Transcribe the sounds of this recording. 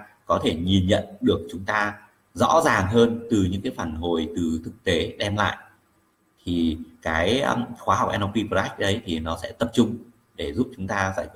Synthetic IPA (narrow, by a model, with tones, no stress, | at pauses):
kɔ˨˦t̪ʰe˧˩ɲi˨˩nɲə̰˧˨nɗɨ˨˩ək̚t͡ɕʊ˨˦ŋ͡mt̪aː˧ | zɔ̰˧˥zaː˨˩ŋɦəː˧nt̪ɨ˨˩ɲɨ̰˧˥ŋkaː˨˦jfaː˧˩nɦo˨˩jt̪ɨ˨˩t̪ʰɨ˨˩k̚t̪e˨˦ɗɛ˧mla̰ː˧˨jʔ | t̪ʰi˨˩kaː˨˦jxwaː˨˦a˨˩wk͡pʔɛ˧nɔ˧i˧pə˨˧˩a˦˥k̚ɗə˨˦jt̪ʰi˨˩nɔ˨˦sɛ̰˧˥t̪ə˨˩p̚t͡ɕʊ˧ŋ͡m | ɗe˧˩zu˦˥p̚t͡ɕʊ˨˦ŋ͡mt̪aː˧zaː˧˩j